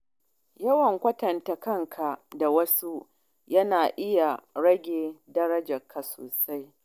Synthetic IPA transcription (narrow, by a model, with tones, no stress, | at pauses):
jɐ˦wɐ˨ŋkʷɐ˦tɐ˨nta˨kɐ˦ŋkʰa˨da˨wɐ˦su˦ | jɐ˦naː˨ʔɪ˦ja˨ɽɐ˦ɡʲeː˨dɐ˦ɾɐ˦d͡ʒɐ˨kʰːa˨so̰ː˨sa˦j